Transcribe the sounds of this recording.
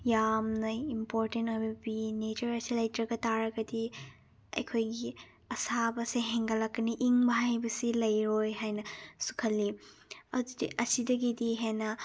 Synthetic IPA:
jamnɐimpoɾtentojbɐbinet͡ʃɐɾɐsilɐjtɾɐɡɐtaɾɐɡɐdi | ɐ̰jkʰojɡi | ɐsabɐseɦeŋɡɐlɐkːɐniʔiŋbɐɦajbɐsilɐjɾojɦajnɐsu̥kʰɐlːiɐdudiʔɐsidɐɡidiɦenɐ

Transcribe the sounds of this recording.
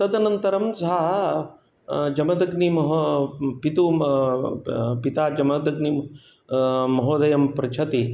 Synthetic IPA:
t̪ɐd̪ɐnɐnt̪ɐɾɐmsɐɦɐ | d͡ʒɐmɐd̪ɐɡnimɐɦopit̪u | pit̪aːd͡ʒɐmɐd̪ɐɡni | ɐɦoːd̪ɐjɐmpɾɐt͡ʃʰɐt̪i

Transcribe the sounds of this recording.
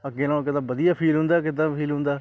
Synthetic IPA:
əɡeːnaːkɪd̪ãːbəd̪ɪjaːpʰiːlɦʊ̃nd̪aːkɪd̪ãːpʰiːlɦʊ̃nd̪aː

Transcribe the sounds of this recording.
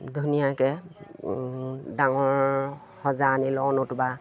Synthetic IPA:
dʱunijakɛ | daŋɔɹ | hɔzanilɔnʊtʊba

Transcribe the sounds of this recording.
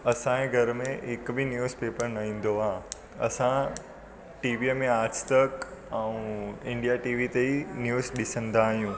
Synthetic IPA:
ɐsãẽɡʱɐɾmẽʔɪkbʱɪnjuːzpeːpəɾnɐʋĩːn̆d̪oãː | ɐ̰sã | ʈiːʋiemẽaːɾst̪əkɛ̃ũɪ̃ɳɖijaʈiːʋit̪einjuːzɗɪsə̃nd̪ʱaːɦijũː

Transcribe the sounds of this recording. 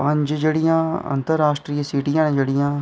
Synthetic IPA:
pəɲd͡ʒd͡ʒeːɽɪjãːə̰nt̪əɾːaːsʈɾiːsiːʈijãːnẽːd͡ʒeːɽɪjãː

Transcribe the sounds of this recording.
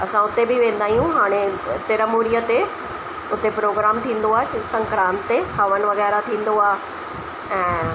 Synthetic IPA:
ɐsãʊt̪ebɪʋẽːn̆d̪aːijũɦaːɽ̃et̪ɪɾəmuːɾijət̪e | ʊt̪epɾoːɡɾaːmt̪ʰĩːn̆d̪oaːesɐ̃ŋkɾãːnt̪ehɐʋən̆ʋɐɣɛːɾat̪ʰĩːn̆d̪oaːɦ | ɛ̃ː

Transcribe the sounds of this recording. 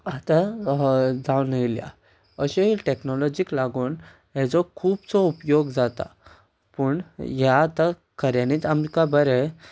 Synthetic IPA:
at̪a | d͡zawnəilja̰ | əɕeʈeknɔlɔd͡ʑiklaɡuːn | ɦet͡sɔkʰuːbt͡sɔupjoɡd͡zat̪a̰ | pəɳjaːt̪a | kəɾjaniːt͡samikabəɾɛ

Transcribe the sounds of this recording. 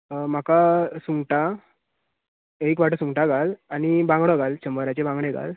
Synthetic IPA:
m̤akasuŋɡʈa | ek̬ʋaʈəsuŋɡʈaɡʱalanibãŋɡɽɔɡʱalt͡ɕəmbəɾat͡ɕebãŋɡɽeɡa̰l

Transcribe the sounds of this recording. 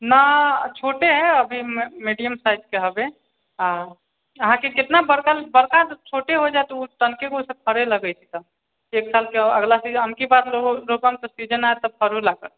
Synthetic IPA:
nat͡ʃʰoːʈeɦɛ̃əbʱimiɖijəmsaːɪzkeɦəbe | a | əɦãkekɪt̪nabəɾkalbəɾkad͡ʒt͡ʃʰoːʈeɦod͡ʒaet̪ɔut̪ənkekosepʰəɾeləɡəjt͡ʃʰi̥t̪a | kieːksaːlkeəɡlasiɦəmkibaːd̪lolopamk̪osid͡ʒənaet̪ɔpʰəɾɦolakəɾ

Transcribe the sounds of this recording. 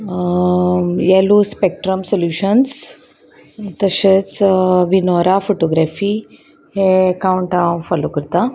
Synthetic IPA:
jeluspek̚ʈɾəmsoljuːɕəns | t̪əɕət͡sʋinɔɾafoʈoɡɾafi | hekawuɳʈafɔlokəɾt̪a

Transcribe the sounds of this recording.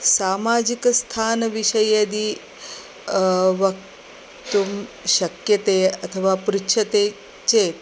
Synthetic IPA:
saːmad͡ʑikst̪ʰaːnʋiʃəjed̪iː | ʋɐk | t̪umɕɐkjət̪eɐt̪ʰəʋapɾikʃʰɐt̪e | t͡ɕet̪

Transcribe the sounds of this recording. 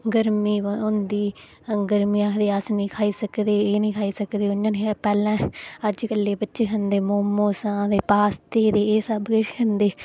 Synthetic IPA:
ɡəɾmiːʊ̃nd̪iː | ɡəɾmijãːd̪eːasnĩːkʰaːiːsəkd̪eːeːnĩːkʰaːiːsəkd̪eːʊnːãːnepɛːlãːəd͡ʒkəlːeːbətːʃeːɦənd̪eːmoːmoːsãːd̪eːpaːst̪eːd̪eːeːsəbɡəʃkʰənd̪eː

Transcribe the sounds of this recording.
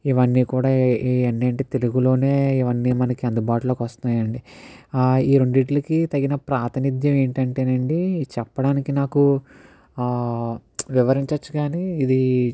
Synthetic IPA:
iʋɐnːiːkuːɽaːɐnːeːɳʈit̪e̞luɡulo̞ːne̞ːiʋɐnːiːmɐnɐkiɐnd̪ubaːʈuloːkʋɐst̪unaːjɐɳɖi | iːɾo̞ɳɖuiʈlɐkit̪ɐɡinɐpɾaːt̪ɐnid̪jɐme̞ːɳʈɐɳʈeːnɐɳɖit͡ʃɛpːɐɽaːnikinaːku | ʋiʋɐɾiɲt͡ʃɐt͡ʃːuɡaːniːd̪i

